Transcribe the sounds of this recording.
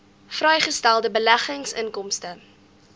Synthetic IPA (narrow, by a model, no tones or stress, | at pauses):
frɛjχəstælˠdəbəlæχəŋsəŋkɔmstə